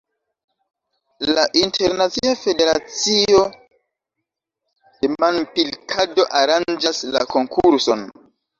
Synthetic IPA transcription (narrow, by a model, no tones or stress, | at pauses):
laʔintʰe̞ɾnat͡siafe̞de̞ɾat͡sio̞ | d̥emanpilkʰado̞ʔaɾand͡ʒasla̰ko̞ŋkʰuɾso̞n